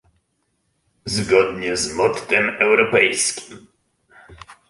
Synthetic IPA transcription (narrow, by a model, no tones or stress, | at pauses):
zɡɔd̪ɲɛzmɔt̪t̪ɛmɛwɾɔpɛjskʲi̥m